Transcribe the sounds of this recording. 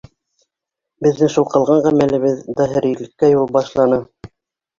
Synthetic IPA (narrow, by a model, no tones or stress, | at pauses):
bɘ̆ðːɘŋʃulˠqɤ̆lˠʁɑɴʁæmælɘ̆βɘðd̪ɑɦɘ̆ɾilɘ̆kːæjulˠbɑʃlˠɑnɤ